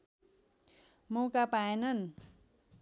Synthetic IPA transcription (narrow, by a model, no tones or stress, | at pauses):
mokapaenən